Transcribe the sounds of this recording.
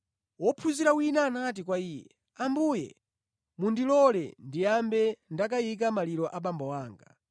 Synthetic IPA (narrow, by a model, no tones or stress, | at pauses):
wɔpʰuziɾawinaːnat̬ik̬waiːjɛ̰ | ambujɛ̰ | mundilɔlɛ̰ndijambɛndak̬ajik̬amaliɾɔʔaɓambɔwaːŋɡa̰